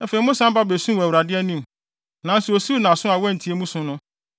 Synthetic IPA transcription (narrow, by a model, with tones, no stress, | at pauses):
ɛ˦fe˨i˨˦mʊ̃˦sã˦m˦ba˦be˨sũ˦˨æ˨wɾa˨dɪ˦ɛ˦nĩ˦˨m˨ | nã˨n̩˦sɛ˨o˨si˦nã˨sʊ̃˦a˨wɛ˦n̩˨tʰi˨e˦mũ˦sʊ̃˦nʊ̃˦